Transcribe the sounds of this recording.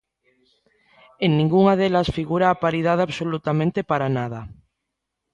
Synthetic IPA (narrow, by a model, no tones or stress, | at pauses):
eŋnĩŋɡuŋað̞elasfiɣuɾaːpaɾið̞aðaβsolut̪amẽnt̪epaɾanað̞a